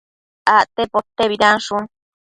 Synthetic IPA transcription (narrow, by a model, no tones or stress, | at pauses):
aʔt̪epot̪ːeβiɾanʃun